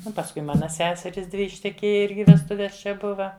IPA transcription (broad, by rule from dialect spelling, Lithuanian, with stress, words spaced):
ˈnʊ pɐsˈkʊɪ ˈmɑːnɐ ˈsʲæːsʲɛrʲiːs ˈdʲʋʲɪ ɪʃʲtʲɛˈkʲeːjɛ ˈɪrʲɡʲɪ ʋʲɛsˈtʊʋʲɛs t͡ʃʲɛ ˈbʊʋɐ